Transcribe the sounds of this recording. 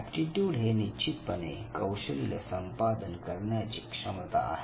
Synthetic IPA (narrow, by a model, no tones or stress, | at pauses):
pʈiʈjuːɽɦenit͡ɕit̪pənekəwɕəlilə̰səmpad̪ənkəɾɳjat͡ɕiːkʂəmt̪a̰a̰ɦe